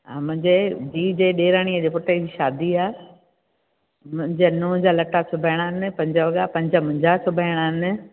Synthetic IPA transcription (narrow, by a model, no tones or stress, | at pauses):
a̰ːmʊ̃ɦɪ̃ɲd͡ʑebiːd͡ʑeːɗeːɾaːɽ̃iəd͡ʑeːpʊʈəd͡ʑiːʃaːd̪ʱiaː | mʊ̃ɦɪ̃ɲd͡ʑenʊ̃d͡ʑaːlɐʈasʰʊbʱəɪɽ̃aːɦɪnɪ̆pɐ̃ɲd͡ʑəʋɐɡapɐ̃ɲd͡ʑəmʊ̃d͡ʑat͡ɕʰʊbʱəɪɽ̃aːɦɪnɪ̆